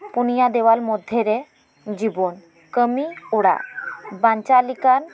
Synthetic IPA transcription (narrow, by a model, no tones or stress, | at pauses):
punijad̪ɛwaɾmɔd̪ʱjeɾɛ | d͡ʑibɔn | kəmiɔɽa̰baɲt͡ʃalikan